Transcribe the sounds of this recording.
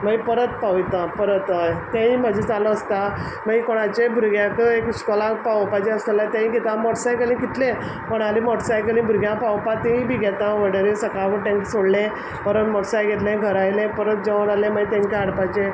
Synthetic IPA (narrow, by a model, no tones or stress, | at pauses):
məipəɾət̪paʋjt̪ãpəɾət̪ət̪ãɦĩmad͡ʑʱid͡zaləːst̪a | maikoɽ̃at͡ɕebʱuɾɡjãkəekskɔlapawpat͡ɕeəslɛlat̪ãĩɡet̪amɔʈsajkelĩkit̪lẽ | pəɽalimɔʈsajkelĩbʱuɾɡʱjãpawpat̪ẽĩbʱiɡʱɛt̪ãʋəɽəɾẽsəkaʋəʈẽŋksoɽlẽ | pəɾət̪mɔʈsajɡʱet̪lẽɡʱəɾajlẽpəɾət̪̚d͡ʑeʋəɾalẽməit̪ẽŋkaaɽpat͡ɕe